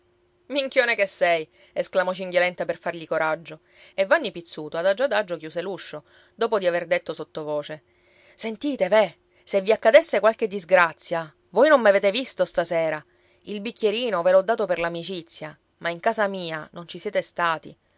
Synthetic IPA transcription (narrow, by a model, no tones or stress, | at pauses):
miŋkjoːnekesːɛj | esklamɔt͡ʃiŋɡjolɛnt̪aperfarʎikoɾʔad͡ʒːo | evːanːipit̪sːuːt̪oad̪ad͡ʒːad̪ad͡ʒːokjuːseluʃːo | d̪oːpod̪iaverd̪et̪ːosot̪ːovoːt͡ʃe | sent̪iːt̪eve | sevːiakːad̪esːekwalk̟ed̪ːizɡɾat̪sːja | vojnomːaveːt̪evist̪ost̪asɛːɾa | ilbikʲːeɾiːnovelɔd̪ːaːt̪operlamit͡ʃit̪sːja | maiŋkaːsamiːanont͡ʃisjɛːt̪est̪aːt̪ḭ